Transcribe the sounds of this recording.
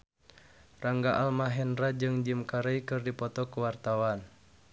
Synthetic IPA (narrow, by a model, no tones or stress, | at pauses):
raŋɡaʔalmaɦɛnrad͡ʒɨŋd͡ʒimkaɾejkɨrdipɔt̪ɔkuwart̪awan